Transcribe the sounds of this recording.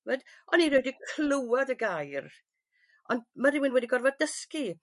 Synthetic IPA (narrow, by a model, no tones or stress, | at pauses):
vɛd | ɔniɾɛːdikʰlʊwadəɡajr | ɔndmaɾɪwɪnwɛdiɡɔrvɔddəski